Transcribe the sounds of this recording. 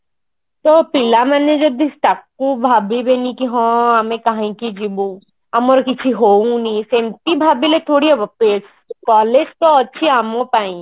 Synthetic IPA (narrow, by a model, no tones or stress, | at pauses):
t̪opɪlamɛned͡ʒɐd̪isʈ̪akːũbʱaːbibenikiɦɔ̃ɐmẽkaɦaĩkid͡ʒibũ | ɐmoɾkit͡ʃʰiɦoũnĩsempibʱaːbilet̪ʰoːɽiepes | kɔːled͡ʒt̪oɐtːʃʰiaːmõpaːĩ